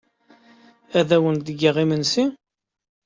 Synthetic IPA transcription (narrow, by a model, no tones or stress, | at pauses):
æðæwənd̪əɡːiʁimənsi